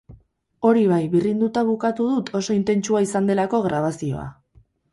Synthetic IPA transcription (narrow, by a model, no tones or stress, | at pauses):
o̞ɾiβ̞ajβirind̪ut̪aβukat̪uð̞ut̪ʰo̞so̞int̪e̞nt͡ʃuaisand̪e̞lako̞ɣɾaβasio̞̰a̰